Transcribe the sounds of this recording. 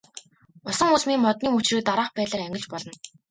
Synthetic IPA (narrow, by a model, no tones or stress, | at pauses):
ʊsɞ̆ŋusmiːŋmɔt̪̚niːmɵt͡ɕrĭːk̚t̪aɾaːχpæːt̪ɮaːɾæŋɡʲɪ̆ɮt͡ɕpɔɮɞ̆n